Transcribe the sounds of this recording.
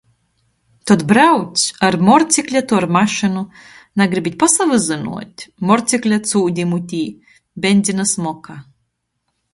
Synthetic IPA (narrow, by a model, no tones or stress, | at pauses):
t̪ɔt̪bɾawt̪sʲaɾmɔɾt̪sʲiklʲat̪uaɾmaʃɨnunaɡɾibʲit̪ʲpasavɨzɨnṵɔt̪ʲmɔɾt̪sʲiklʲat̪suːd̪ʲimut̪ʲiː | bʲenʲd̪zʲinasmɔka